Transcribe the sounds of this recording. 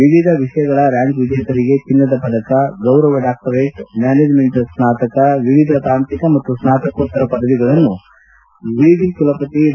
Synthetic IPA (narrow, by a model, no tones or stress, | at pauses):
ʋiʋid̪ʱɐʋiʂɐjɐɡɐɭɐɾaːŋɡʋid͡ʒ̪ɐjkɐɾiɡe̞t͡ʃinːɐd̪ɐpɐd̪ɐkɐɡɐwɾɐʋɐɖaːk̚ʈɐɾeʈmjaːneːd͡ʒme̞ɳʈsnaːt̪ɐkɐʋiʋid̪ʱɐt̪aːnt̪ikɐmɐt̪ːusnaːt̪ɐkɐʋot̪ːɐɾɐpɐd̪ʱɐʋiɡɐɭɐnːu | ʋiid̪ʱikulɐpɐt̪i